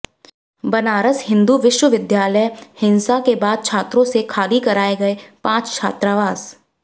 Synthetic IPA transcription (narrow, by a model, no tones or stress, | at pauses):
bɐnaːɾəshɪ̃nd̪uʋɪʃwəʋɪd̪jaːləjhɪ̃nsakebaːd̪̚t͡ʃʰaːt̪ɾõsekʰaːlikɐɾaːeɡɐepãːt͡ʃt͡ʃʰa̰ːt̪ɾaʋaːs